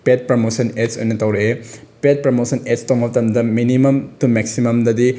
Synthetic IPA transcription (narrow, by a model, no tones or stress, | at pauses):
pet̚pɾomosɐneso̰jnɐtɐwɾee | pet̚pɾomosɐnestɔmɐp̚tɐmdɐminimɐmtumek̚simɐmdɐdi